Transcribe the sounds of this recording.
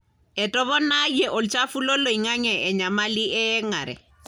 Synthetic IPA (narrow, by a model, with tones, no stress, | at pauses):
ɛ˨tɔ˦βɔ˦na˦jɛ˨ʔɔ˨lt͡ʃa˦fu˦lɔ˦lo˨i˨ŋa˦ɲɛ˨ʔɛ˨ɲa˨ma˦li˦ʔɛ˦ɛ˦ŋa˨ɾɛ̰˨